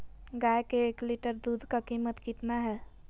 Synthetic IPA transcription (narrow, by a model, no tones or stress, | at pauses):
ɡaːjkeːkliʈəɾd̪uːd̪ʱkakiːmət̪kit̪naɦɛː